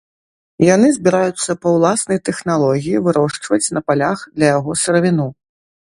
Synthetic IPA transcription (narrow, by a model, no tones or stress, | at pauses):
janɨzʲbʲiɾajut̪sːɐpɐwlˠasnɐjt̪ɛxnalˠɔɣʲijivɨɾʔɔʂt͡ʂvɐt͡sʲnɐpalʲaxd̪lʲɐjaɣɔsɐɾɐvʲinu